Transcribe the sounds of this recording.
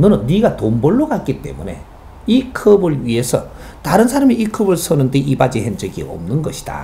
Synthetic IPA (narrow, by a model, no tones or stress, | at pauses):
nɯɾɯnːiɡatombʌɭːoɡat̚k͈it͈e̞̰mune̞̰ | ikʰɯbɯɭɥiɦe̞sʰʌ | taɾɯnsʰaɾamiːkʰɯbɯɭs͈ʰʌnɯnde̞ʔibad͡ʑihend͡ʑɯɡḭʌ̰mnɯnɡʌɕʰi̥d̥a̰